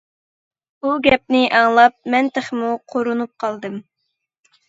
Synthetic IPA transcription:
buɡʲɛp̚nɪʔɑŋlˠɑp̚mɛnt̪ʰeχmuqʰoɾunup̚qʰɑlˠd̪ɨm

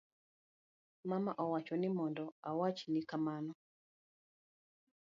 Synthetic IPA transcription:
mamaʔɔwat͡ʃɔnɪmɔndɔawat͡ʃinikamanɔ

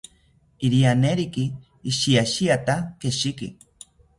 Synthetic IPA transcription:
iɾianeɾikiː | ʃiaʃiat̪akeʃikḭ

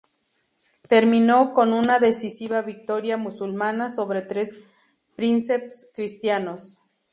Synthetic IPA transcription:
t̪e̞ɾmĩno̞ko̞nunaðe̞sisiβaβik̚t̪o̞ɾjamusulmanaso̞βɾe̞t̪ɾe̞s | pɾinsepskɾist̪jano̞s

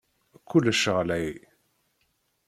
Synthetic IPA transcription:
kːulːəʃəʁlæj

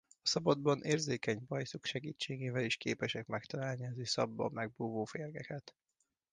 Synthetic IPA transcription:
ɒsɒbɒd̪bɒnʔeːrzeːkɛɲbɒjsukʃɛɡiːt͡ʃːeːɡeːvɛliʃkeːpɛʃɛkmɛkt̪ɒlaːlniɒzyːsɒ̰bːɒ̰mːɛɡ̚buːvoːfeːrɡɛkɛt̪

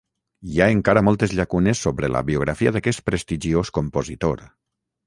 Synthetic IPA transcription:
jaeŋkaɾəmɔlˠt̪ezʎakunesːoβɾelə̰βioɣ̞ɾafiaðakɛs̚pɾest̪iʒioskompozit̪oɾ

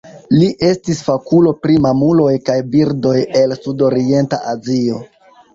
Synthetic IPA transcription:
liʔe̞stisfakulo̞pɾimamulo̞jkajbiɾdo̞je̞lsudo̞ɾie̞nta̰ʔazio̞

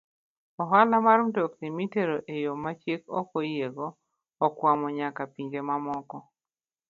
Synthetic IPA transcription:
ɔɦalamaɾmdɔknimiteɾoʔejomat͡ʃjekɔ̰kojeɡɔː | kwamɔɲakapiɲd͡ʒemamɔkɔ

